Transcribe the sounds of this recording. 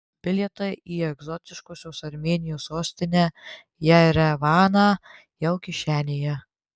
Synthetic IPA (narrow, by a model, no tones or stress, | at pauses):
pʲɪlʲiɛt̪ɐɪʔiːɛɡzɔt̪ʲɪʃkoːsʲoːsɐɾʲmʲeːnʲɪjoːsoːsʲt̪ʲɪnʲæː | jɛɪɾɛʋɑːnɑː | jɛʊkʲɪʃʲæːnʲejɛ